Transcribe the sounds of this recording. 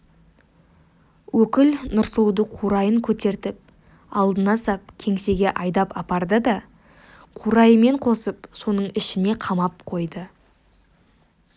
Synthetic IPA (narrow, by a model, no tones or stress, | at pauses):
wɵkʲɪlnʊɾsəlˠd̪əqʰuɾɑjəŋkʲʰɵt̪e̞ɾt̪ɪp̚ | ɑlˠd̪ənɑsɑp̚kʲʰe̞ŋse̞ɡʲe̞ʔɑjd̪ɑpɑpɑɾd̪əd̪ɑ | qʰuɾɑjəme̞ɴqʰo̞səpso̞nəɴɪʃɪne̞qʰɑmɑp̚qʰo̞jd̪ə